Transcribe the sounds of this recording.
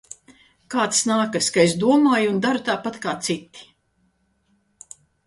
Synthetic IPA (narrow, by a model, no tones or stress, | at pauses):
kaːt̪snaːkɐskaes̬d̪uɔmaːjund̪aɾut̪aːpat̪kaːt̪sit̪ːi̥